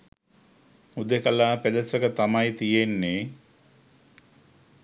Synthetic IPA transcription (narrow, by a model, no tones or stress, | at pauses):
ud̪ekəlaːped̪əsəkət̪amajt̪ijenːe